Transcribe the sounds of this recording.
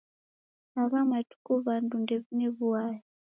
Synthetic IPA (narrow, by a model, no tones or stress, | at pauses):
aβamatu̥kuβandundɛneβuaji